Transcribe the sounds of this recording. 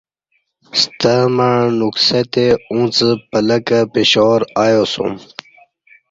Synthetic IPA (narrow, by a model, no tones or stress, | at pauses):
st̪əmanukset̪eũt͡səpələkəpeɕoɾaːjosṵ̃m